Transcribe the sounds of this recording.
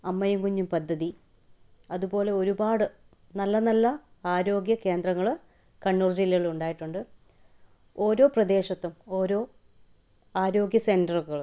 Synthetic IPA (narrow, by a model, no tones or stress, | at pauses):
ɐmːɐjuŋkuɲːumpɐd̪ʱːɐði | ɐðubo̞ːle̞o̞ɾubaːɽɨ | nɐlːɐnɐlːɐaːɾo̞ːɡjɐke̞ːnd̪rɐŋːɐɭ | kɐɳːurd͡ʑilːɐɣɐɭuɳɖaːjiʈːuɳɖɨ | o̞ːɾo̞ːprɐd̪e̞ːɕɐt̪ːumo̞ːɾo̞ː | aːɾo̞ːɡjɐse̞ndɐrɣɐɭ